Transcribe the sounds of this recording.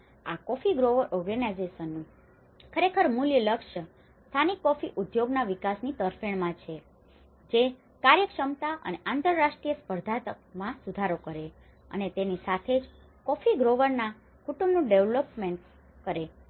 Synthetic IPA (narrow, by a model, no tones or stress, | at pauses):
a̰kɔfiɡɾoʋəɾʔɔɾɡənajzeʃənːũ | kʰəɾekʰəɾmuljələkʂə | st̪ʰanikːɔfiʔud̪joɡnaʋikasnit̪əɾfeɳ̃mãt͡ʃʰe | d͡ʒe | kaɾjəkʂəmt̪aʔə̰neʔãnt̪əɾːaʂʈɾijəspəɾd̪ʱat̪ə | mãsud̪ʱaɾokəɾe | ə̰net̪enisat̪ʰed͡ʒ | kɔfiɡɾoʋəɾna | kuʈũmbnũɖeʋlopmẽɳʈ | kəɾe